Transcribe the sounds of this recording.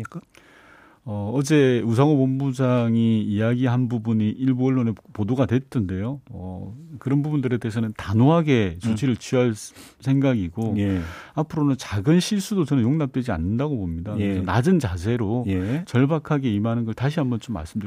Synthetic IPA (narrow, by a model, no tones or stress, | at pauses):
ʌʌd͡ʑe̞usʰaŋobombud͡ʑaŋiːjaɡiɦanbubuɲiʔiɭbuʌɭːonepodoɡadwe̞t͈ʰɯnde̞joʌ̰kɯɾʌnbubundɯɾe̞de̞ɦes̬ʰʌnɯntanoɦaɡe̞t͡ɕot͡ɕʰiɾɯɭt͡ɕʰiɦaɭsʰe̞ŋɡaɡiɡoapʰɯɾonɯnt͡ɕaɡɯnɕʰiɭs͈udot͡ɕʌnɯnjoŋnap̚t͈we̞d͡ʑia̰nːɯndaɡobomɲidakɯɯeɾsʰʌnad͡ʑɯnt͡ɕas̬ʰe̞ɾot͡ɕʌɭbakʰaɡe̞imɦanɯnɡʌɭtaɕ̬ʰiɦambʌnt͡ɕomːa̰ɭs͈ɯmdɯ